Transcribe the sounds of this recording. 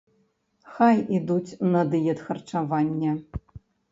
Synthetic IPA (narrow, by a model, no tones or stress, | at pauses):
xajid̪ut͡sʲnɐd̪ɨjɛt̪xɐrt͡ʂavanʲːɛ